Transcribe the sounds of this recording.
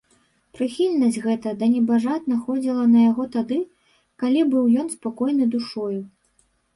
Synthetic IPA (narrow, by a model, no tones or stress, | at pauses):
pɾɨxʲilʲnɐsʲɣɛt̪ɐd̪ɐnʲɛbaʐat̪nɐxɔd͡zʲilˠɐnɐjaɣɔt̪ad̪ɨ | kalʲibɨwjɔnspakɔjnɨd̪uʂɔju